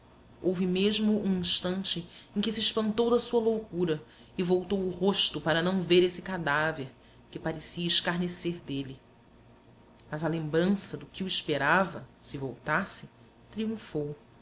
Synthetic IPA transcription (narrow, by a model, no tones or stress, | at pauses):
owvɪmeʒmʊũĩʃt̪ɐ̃nt͡ʃɪẽj̃kɪsiːʃpɐ̃nt̪owd̪ɐsuɐlowkuɾɐ | ɪvowt̪owʊhoʃt̪ʊpaɾɐnɐ̃w̃veɾesɪkad̪aveɾ | kɪpaɾesiɐɪʃkaɾneseɾd̪eli | mɐzɐlẽmbɾɐ̃sɐd̪ʊkɪuiʃpeɾavɐsɪvo̰wt̪asɪ | t̪ɾiũfow